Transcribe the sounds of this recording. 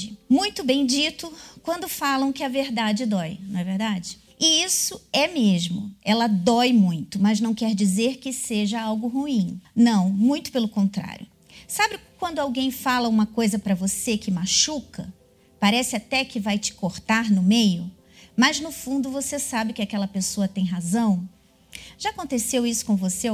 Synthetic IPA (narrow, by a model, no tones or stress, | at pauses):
ɪmũj̃t̪ʊbẽj̃d͡ʒit̪ʊkwɐ̃nd̪ʊfalɐ̃w̃kɪɐveɾd̪ad͡ʒɪd̪ɔjnɐ̃w̃ɛveɾd̪ad͡ʒɪ | ɪisʊɛmeʒmʊɛlɐd̪ɔjmũj̃t̪ʊmɐznɐ̃w̃kɛɾd͡ʒizeɾkɪseʒɐawɡʊɦuĩnɐ̃w̃mũj̃t̪ʊ̥pelʊkõnt̪ɾa̰ɾjʊ | sabɪkwɐ̃nd̪ʊawɡẽj̃falɐũmɐkojzɐpɾɐvosekɪmaʃukɐ | paɾɛsɪat̪ɛkɪvajt͡ʃɪ̥koɾt̪aɾnʊmejʊ | mɐznʊfũnd̪ʊvosesabɪkɪakɛlɐpesoɐt̪ẽj̃ɦazɐ̃w̃ | ʒ̥aakõnt̪esewisʊ̥kõvose